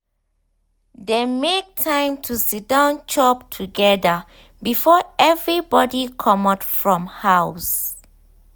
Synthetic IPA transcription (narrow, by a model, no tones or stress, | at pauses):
demek̚tʰãɪ̃mtʰusit̚dãʊ̃nt͡ʃʰɔp̚tʰuɡɛdə | bifɔɛvɹibɔdikʰɔmɔtfɹɔ̃mhaws